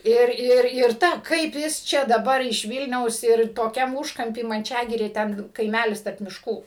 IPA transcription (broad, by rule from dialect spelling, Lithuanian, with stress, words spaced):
ˈɪr ˈɪr ɪr ˈtɐ ˈkɐɪp jɪs ˈt͡ʃʲɛ dɐˈbɐr ɪʃ ˈʋʲiːlʲnʲɛʊs ɪr toːˈkʲɛm ˈuːʃkɐmʲpʲiː mɐnʲˈt͡ʃʲæːɡʲɪrʲeː ˈtʲɛn kɐɪˈmʲælʲɪs tɐrp mʲɪʃˈkuː